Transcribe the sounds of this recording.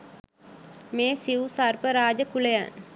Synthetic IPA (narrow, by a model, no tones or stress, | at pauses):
meːsiwusarpəɾaːd͡ʒəkuləja̰n